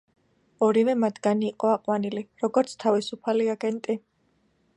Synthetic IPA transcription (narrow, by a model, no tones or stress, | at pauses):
ɔɾivɛmat̪ʰɡaniːqʼɔaqʼwaniliɾɔɡɔɾt̪sʰt̪ʰavisupʰaliaɡɛnt̪ʼi